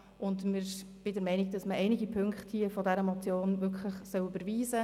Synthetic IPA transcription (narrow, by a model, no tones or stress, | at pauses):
ʊndmɪɾb̥ɪdəɾmɛɪnɪɡ̚d̥ɑsməʔɛɪnɪɡipʰøŋkχthifɔdɛɾəmɔt͡sjoːnvʏɾkχləχsœʊybəɾviːzə